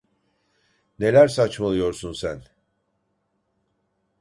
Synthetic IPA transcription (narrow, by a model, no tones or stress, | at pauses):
ne̞lʲæɾsat͡ʃmalˠɯjo̞ɾsunsæn